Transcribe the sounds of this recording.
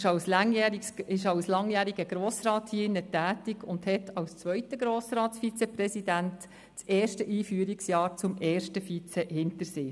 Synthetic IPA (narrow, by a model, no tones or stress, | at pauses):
ʃɑwslɑŋjæːɾiɪʃɑwslɑŋjæːɾiɡəɡɾoːsrɑːthiːɪnːətæːtiɡʊndhɛtʰɑwst͡sʋœʏtəɡɾoːsɾɑːtsfit͡sɛprɛsidænt | t͡sɛːɾʃtəʔiːfyːəɾiksjɑːɾt͡sʊmɛːɾʃtəfit͡sɛhɪntəɾseː